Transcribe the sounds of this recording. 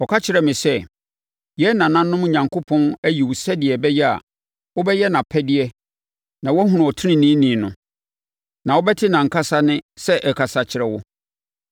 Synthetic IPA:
ɔ˨kʰa˦t͡ɕʰɪ˨ɾɛ˨mɪ̃˨sɛ˦ | jɛ˦nã˨nã˦nː˦ʊ̃˦m˦ɲã˨ŋkʰo˦pʰɔ̃˦næ˦ji˨wʊ˨sɛ˦dɪ˨ɛ˨bɛ˦jɛ˦a̰˨ | wɔ˦bɛ˦jɛ˦nã˨pʰɛ˦dɪ˦ɛ˦ | nã˨wɔ˦ɦũ˨ʊ̃˨ɔ˨tʰɪ˦nɪ̃˦nĩː˦nĩ˨nʊ̃˨ | nã˨wɔ˦bɛ˦tʰɪ˦nã˨ŋ̩˨kʰa˦sa˦nɪ̃˦sɛ˦ʔɛ˨kʰa˨sa˨t͡ɕʰɪ˨ɾɛ˨wʊ˦

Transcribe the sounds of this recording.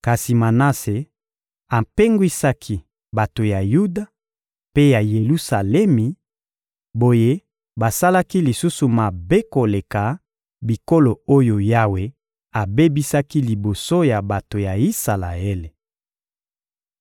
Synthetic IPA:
ka˨si˨ma˨na˦se˨ | a˨mpe˦ŋɡwi˦sa˦kʰi˦ | ba˨to˨ja˨ju˦da˨ | pe˦ja˨je˨lu˦sa˨lɛ˦mi˨ | bo˨je˦ | ba˨sa˦la˦ki˦li˨su˦su˨ma˨be˦ko˨le˨ka˨ | bi˨ko˦lo˨o˦jo˨ja˦we˦ | a˨be˦bi˦sa˦ki˦li˨bo˨so˦ja˨ba˨to˨ja˨i˦sa˨la̰˨e˦le˨

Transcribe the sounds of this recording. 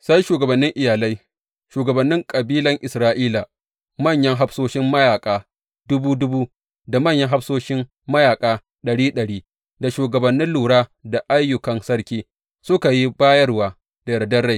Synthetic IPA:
sa˦jʃuː˨ɡɐ˨bɐ˨nːɪ˦ŋʔɪ˨jaː˨la˦j | ʃuː˨ɡɐ˨bɐ˨nːɪ˦ŋkʼɐ˨biː˦lɐ˦ŋʔɪ˨sɾaː˦ʔiː˦laː˨ | mɐ˦˨ɲjɐ˦ŋɦa˦ɸsoː˦ʃɪ˦mːɐ˦jaː˨kʼaː˨ | dʊ˦buː˦dʊ˦buː˦ | da˨mɐ˦˨ɲjɐ˦ŋɦa˦ɸsoː˦ʃɪ˦m | mɐ˦jaː˨kʼaː˦ | ɗɐ˨ɽiː˦ɗɐ˨ɽiː˦ | da˨ʃuː˨ɡɐ˨bɐ˨nːɪ˦nluː˨ɽaː˦da˨ʔa˦jːʊ˨kɐ˨nsɐ˦ɽkʲiː˦ | sʊ˦ka˨ji˦baː˦jɐ˦rwaː˨ | d̥a˨jɽdɐ˦rɽa˦˨j

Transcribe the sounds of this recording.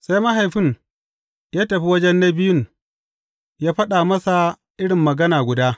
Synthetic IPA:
sa˦jmɐ˦ɦa˨jɸɪ˦n | jaː˦tɐ˨ɸi˦wɐ˦d͡ʒɛ˦nːɐ˦bɪ˦jʊ˦n | jaː˦ɸɐ˦ɗaː˨mɐ˦sa˨ | ʔɪ˦ɽɪ˨mːɐ˨ɡɐ˦naː˨ɡʷʊ˨daː˦

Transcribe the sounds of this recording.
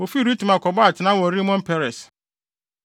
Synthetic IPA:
o˨fi˦ɾi˦tu˨mã˨kɔ˨ba˦a˨tʰɪ˨nã˦wɔ˨ɾi˦mɔ̃˦m̩˦pʰɛ˦ɾɛ˨s

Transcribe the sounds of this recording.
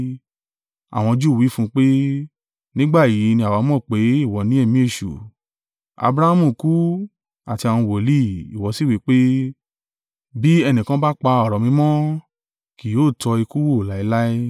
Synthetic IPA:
a̰˨w̃ɔ̃˧d͡ʒu˦˨wi˨˦fũ˦k͡pe˦ | nĩ˦ɡ͡ba˦˨ji˨˦nĩ˧˦a˨wa˨˧˦mɔ̃˦˨k͡pe˨˦i˦˨wɔ˨˦nĩ˨˦ɛ˦˨mĩ˨˦e˦˨ʃṵ˨ | a̰˧bɾa˧˦a˦mũ˦˨ku˦ | a̰˨ti˧a˨w̃ũ˧˨wo˨li˦i˨wɔ˨˧˦si˦˨wi˨˦k͡pe˦ | bi˦ɛ˧nĩ˨kã˦ba˦k͡pa˧ɔ˦˨ɾɔ˨mĩ˧˦mɔ̃˦ | ki˨joː˦˨tɔ˧i˧ku˦wo˦˨la˨˦i˦la˦i˦

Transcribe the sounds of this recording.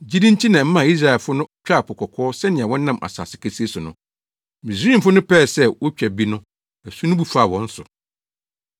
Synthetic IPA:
d͡ʑi˦dĩ˦n˦tʰi˦nã˨m̩˦mã˦˨i˦s̬ɾa˨ɛ˨lfʊ˦nʊ̃˦t͡ɕᶣa˦˨pʊ˨kʰɔ˨kʰɔː˦sɛ˦nɪ̃˨a˨wɔ̃˦n˦nã˦˨mʔa̰˨sa̰ː˨sɪ˨kʰæ˨si˦e˦sʊ˨nʊ̰̃˦ | mĩ˨sĩ˦˨m˨fʊ˦nʊ̃˦pʰɛː˦˨sɛ˦wɔ˦t͡ɕᶣɛ˨bi˦nʊ̃˦ | æ˨su˦nʊ̃˦bu˦fa˨wɔ̃˦n̩˦sʊ˨

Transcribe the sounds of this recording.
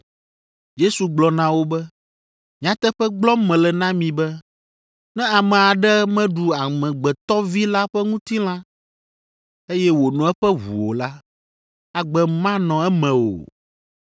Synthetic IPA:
je˦su˨ɡ͡blɔ˨nã˨wo˦bɛ˦ | mĩ˨ã˨t̪ɛ˦ɸɛ˦ɡ͡blɔ˦mɛ̃˨lɛ˨nã˦mĩ˨bɛ˦ | nɛ̃˦a˨mɛ̃˨a˨ɖɛ˦mɛ̃˦ɖu˨a˨mɛ̃˨ɡ͡bɛ˨t̪ɔ˦vi˦la˦ɸɛ˦ŋũ˦t̪i˦l̃ã˦ | e˦jɛ˦wo˨nɔ̃˨˦ɛ˦ɸɛ˦ɦṵ˨wo̰˨la˦ | a˨ɡ͡bɛ˦mã˦nɔ̃˨ɛ˦mɛ̃˨o̰˨

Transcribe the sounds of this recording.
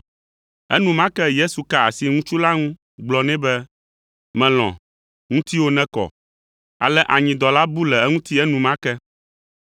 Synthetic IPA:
ɛ̰˦nũ˨mã˦kɛ˦je˦su˨ka˦a˨si˨ŋũ˦t͡ʃu˦la˦ŋũ˦ | ɡ͡blɔ˨nɛ̃˦bɛ˦ | mɛ̃˨l̃ɔ̰̃˨ | ŋũ˦t̪i˦wo˦nɛ̃˦kɔ̰˨ | a̰˨lɛ˦ʔa˨ɲĩ˨d̪ɔ˨la˦bu˦lɛ˨ɛ˦ŋũ˦t̪i˦ɛ˦nũ˨mã˦kɛ˦

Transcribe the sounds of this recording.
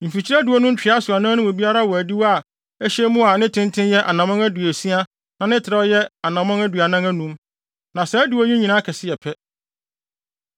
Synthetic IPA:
m̩˨fi˨t͡ɕʰi˦ɾæ˦du˨ɔ˦nũ˦m˦t͡ɕᶣɪ˨a˦sʊ˨a˨nã˦nʊ̃˦mʊ̃˨bi˦a˦ɾa˦wɔ˨æ˨di˦wa˦˨ | æ˦ɕɛ˦mũ˦a˨˦nɪ̃˦tʰɪ̃˦ntʰɪ̃˦njɛ˦ʔa̰˨nã˨mã˦ŋæ˦dɥæ˨si˦a˦ | nã˨nɪ̃˦tʰɪ˨ɾa˦ɔ˦jɛ˦a˨nã˨mã˦ŋæ˦dɥa˨nã˦ŋæ̃˦nũ˦m | nã˨sɛ˦du˨ɔ˦i˦ɲĩ˨nãː˨˦kʰɛ˨sɪ˦jɛ˨pʰɛ˦

